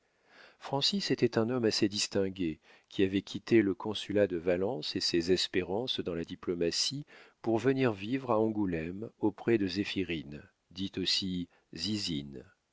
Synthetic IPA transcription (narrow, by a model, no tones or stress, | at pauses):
fχɑ̃siset̪ɛt̪ɛ̃nɔmased̪ist̪ɛ̃ɡʲe | kʲʰiavɛkʲʰit̪eləkʰɔ̃sylad̪əvalɑ̃sesezɛspeʁɑ̃sd̪ɑ̃lad̪iplɔmasipuʁvəniʁvivʁaɔ̃ɡulɛmopχɛd̪əzefiʁin | d̪it̪osi | zizin